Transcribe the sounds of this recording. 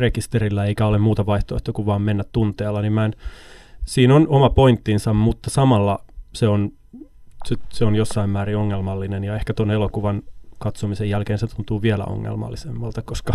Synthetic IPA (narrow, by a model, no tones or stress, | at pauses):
rekist̪erilːæeikæolemmuːt̪ɑʋɑiht̪oeht̪okuʋʋɑːmmenːæt̪tunt̪eːlːɑnimmæn | siːnonomɑpoint̪ːinsɑmmut̪ːɑsɑmɑlːɑseon | sit̪seonjosːɑimmæːɾioŋːelmɑlːinenjɑehkæt̪onelokuʋɑnkɑt̪somisejjælkeːnset̪unt̪uːʋiælæ̰o̰ŋːḛlmɑ̰lːisemːɑlt̪ɑkoskɑ